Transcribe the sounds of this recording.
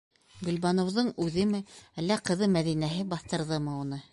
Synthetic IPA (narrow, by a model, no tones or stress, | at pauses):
ɡɵ̆lbɑnŏwðɤɴʉðɘmɘælːæqɤ̆ðɤmæðinæɦɘbɑθt̪ɤ̆ɾðɤmɤunɤ